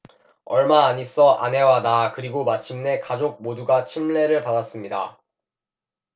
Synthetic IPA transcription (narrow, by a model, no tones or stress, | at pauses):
ʌɭmaːɲis͈ʌʔa̰ne̞wanakɯɾiɡomat͡ɕʰimne̞kad͡ʑok̚moduɡat͡ɕʰimɭe̞ɾɯɭpadas͈ɯmɲida̰